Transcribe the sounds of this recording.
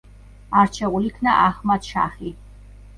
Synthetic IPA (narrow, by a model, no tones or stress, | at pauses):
aɾt͡ʃʰɛʁulikʰnaʔaχmat̪ʃa̰χi